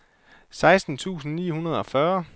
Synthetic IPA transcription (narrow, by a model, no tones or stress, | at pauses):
sɑ̈ɪsd̥n̩t͡sʰṵːsn̩nḭːhunɐð̞ˠɒ̽fɶɐ